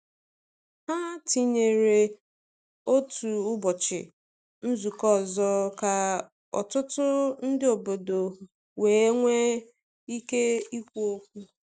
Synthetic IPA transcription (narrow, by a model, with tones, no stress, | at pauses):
ha˦ti˦ɲe˨ɾe˨ | o˦tu˨ʊ˦bʊ˨t͡ʃɪ̰˨ | n̩˦zu˨kɔ˦˨zɔ˦ka˨ | ɔ̰˨tʊ˦tʊ˦n̩˦dɪ˦o˨bo˨do˨ | weː˨˦ŋʷe˦ | i˦ke˦i˦kʷu˦o˦kʷu˦